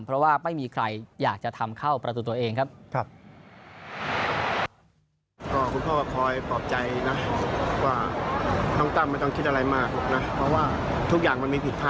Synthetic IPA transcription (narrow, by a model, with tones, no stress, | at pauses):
pʰɾɔ˦˥waː˥˩ma˥˩jmiː˧kʰɾa˧jjaː˨˩k̚t͡ɕa˨˩t̪ʰa˧mkʰa˥˩wpɾa˧t̪u˨˩t̪u˧ɐʔeː˧ŋkʰa˦˥p̚kʰa˧˩p̚ | kɔː˥˩kʰu˧npʰɔː˥˩kɔː˥˩kʰɔː˧jpɔː˨˩p̚t͡ɕa˧jna˦˥waː˥˩t̪ʰɔ˥˩ŋt̪aː˥˩ma˧˥˩jt̪ɔ˥˩kʰi˦˥t̪̚ʔa˧ɾa˧jmaː˥˩k̚na˦˥pʰɾɔ˦˥waː˥˩ | t̪ʰu˦˥k̚jaː˨˩ŋma˧nmiː˧pʰi˨˩t̪̚pʰaː˥˩